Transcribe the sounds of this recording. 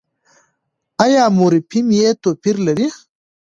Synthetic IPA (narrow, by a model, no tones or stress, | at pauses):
ɐjaːmoːɾipʰimjet̪opiɾlɐɾi